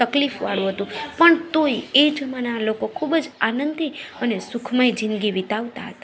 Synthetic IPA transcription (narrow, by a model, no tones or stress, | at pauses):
əklifʋaɽũɦət̪ũpəɳt̪oied͡ʒəmanalokokʰubd͡ʒanənd̪iənesukʰmajd͡ʒɪnɡiʋit̪aʋt̪a̰ɦət̪ḁ